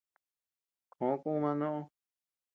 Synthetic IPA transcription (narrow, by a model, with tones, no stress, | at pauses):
kʰõ˨˦kũ˦ũ˦˧mã˧nõ˦ʔõ˦